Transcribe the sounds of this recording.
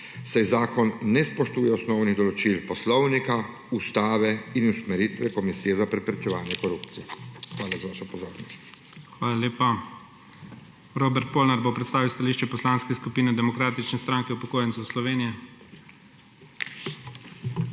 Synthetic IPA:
sajzaːkɔnːɛspɔʃt̪uːjɛɔsnɔwniɣd̪ɔlɔt͡ʃilpɔslɔwnika | ust̪aːʋɛinusmɛɾit̪ʋɛkɔmisiːjɛzapɾɛpɾɛt͡ʃɛʋaːnjɛkɔɾupt̪sijɛxʋaːlazaʋaːʃɔpɔzoːɾnɔst̪ | xʋaːlaleːpa | ɾoːbɛɾt̪̚poːlnaɾbopɾɛt̪st̪aːʋiwst̪aliʃt͡ʃɛpɔslaːnskɛskupiːnɛd̪ɛmɔkɾaːt̪it͡ʃnɛst̪ɾaːŋkɛupɔkoːjɛnt̪sɔwslɔʋeːnijɛ

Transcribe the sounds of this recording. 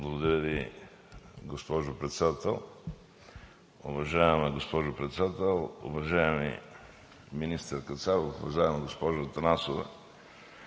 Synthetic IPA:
blˠɐɡod̪ɐɾʲəvi | ɡospɔʒʊpɾɛt̪sɛd̪at̪ɛlˠ | ʊvɐʒajɛmɛɡospɔʒʊpɾɛt̪sɛd̪at̪ɛlˠʊ̰vɐʒajɛmḭ | minist̪ɛɾkət̪saɾoʊvɐʒajɛmɛɡospɔʒt̪ɐnasovɛ̰

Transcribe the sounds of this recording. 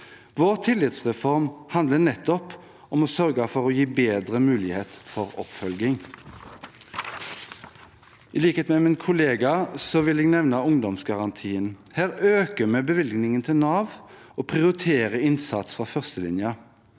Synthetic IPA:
ʋoːʁt̪ʰɪlːɪt̪sʁɛfɔʁmhɑnd̪lənɛt̪ːɔp | ɔmɔsœʁɡəfɔʁɔjiːbeːd̪ʁəmʉːlɪheːt̪fɔʁɔ̰pfœlɡɪŋ | ɪliːkəheːt̪mɛmɪnkʰʊleːɡɑsɔʋɪlɛɡnɛʋnəʊŋd̪ɔmsɡɑʁɑnt̪ʰiːənhæːʁøːkəmɛbəʋɪlɡnɪŋənt̪ʰɪlnɑːʋ | ʔoːpʰʁɪʊɾɪt̪ʰeːʁəɪnsɑ̰t̪sfʁɑːfœʁst̪əlɪ̰njə

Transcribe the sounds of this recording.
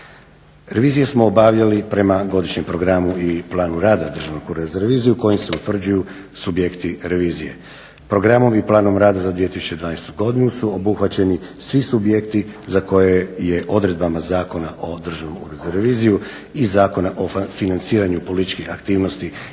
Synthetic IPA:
ɾe̞ʋiːzijesmo̞ːbaʋʎalipɾe̞maɡo̞d̪iʃɲe̞mpɾo̞ɡɾamuiplˠaːnuɾaːd̪ad̪r̩ʒaʋnokuɾezaɾeʋiːzijuko̞jimseut̪ʋr̩d͡ʑuju | subjekt̪iɾe̞ʋiːzije̞̰ | pɾo̞ɡɾamo̞miplˠaːno̞mɾaːd̪azad̪ʋije̞t̪isu̥t͡ɕe̞d̪ʋaːnest̪uɡo̞d̪inusuobuxʋat͡ɕe̞nisʋisubje̞kt̪izako̞jeje̞ʔo̞d̪ɾe̞d̪̚bamazaːko̞naʔo̞d̪r̩ʒaʋnomkṵɾezaɾeʋiːziju | izaːko̞naʔo̞finant̪siːɾaɲupo̞lit̪it͡ʃkixakt̪iːʋno̞st̪i

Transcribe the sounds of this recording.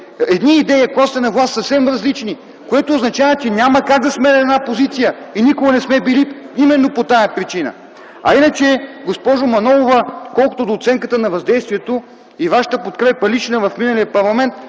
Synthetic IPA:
ɛd̪niːd̪ɛjəkast̪ɛnɐvlˠast̪sɐfsɛmɾɐzlit͡ʃni | koɛt̪oːznɐt͡ʃavɐt͡ʃɛnʲaməkaɡ̚d̪ɐsmɛɾɛɛd̪napozit̪sijəinikoɡɐnɛsmɛbiliimɛnːopot̪ajɐpɾit͡ʃinə̰ | ɐ̰inət͡ʃɛɡospɔʒomɐnɔlˠovəkɔlˠko̥t̪od̪oːt̪sɛŋkət̪ənɐvɐzd̪ɛjst̪vʲiɛt̪o | ivaʃə̥t̪əpot̪kɾɛpəlit͡ʃnəvɐfminəlijəpɐɾlˠɐmɛnt̪

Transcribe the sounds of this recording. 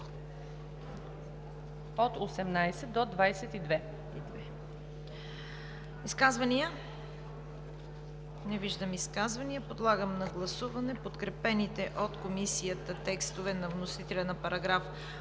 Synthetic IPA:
ot̪osɛmnajsɛd̪̚od̪vajsɛt̪id̪vɛ | id̪vɛ | iskazvɐniə | nɛviʒd̪əmiskazvɐniəpod̪lˠaɡəmnɐɡlˠɐsuvɐnɛpot̪kɾɛpɛnit̪ɛʔot̪komisijət̪ət̪ɛkst̪ovɛnɐvnosit̪ɛlʲɛnɐpɐɾɐɡɾaf

